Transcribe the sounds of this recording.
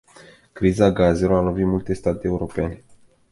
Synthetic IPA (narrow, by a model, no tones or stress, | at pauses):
kɾizaɡaze̞loalo̞vit̪mult̪e̞st̪at̪eːuɾo̞pene̞